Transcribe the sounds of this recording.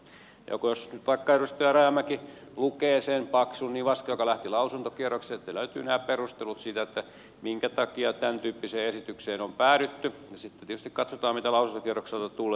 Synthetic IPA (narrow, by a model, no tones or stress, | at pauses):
jɑ̰kojosnyt̪ʋɑikːɑerust̪ojɑrɑjɑmæki | lukeːsenpɑksunniːʋʋɑskɑjokɑlæht̪ilɑusunt̪okierˑokseːet̪ːeløyt̪y̰ːnæːpperust̪elut̪siːt̪æet̪ːæ | miŋkæt̪ɑkiɑt̪ænt̪yːpːiseːesit̪ykseːnompæːɾyt̪ːyjɑsit̪ːent̪ietyst̪ikɑt̪sot̪ɑːmit̪ælɑusunt̪okieroksɑlt̪ːɑt̪ulːe